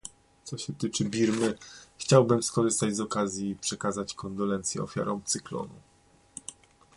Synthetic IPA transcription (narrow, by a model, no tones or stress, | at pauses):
t̪sɔɕɛt̪ɘt͡ʂɘbʲiɾmɘxt͡ɕawbɘmskɔʐɘst̪ad͡ʑzɔkazʲjipʂɛkazat͡ɕkɔnd̪ɔlɛnt̪sjɛ̰ɔ̰fʲja̰ɾɔ̃w̃t̪sɘklɔ̰nu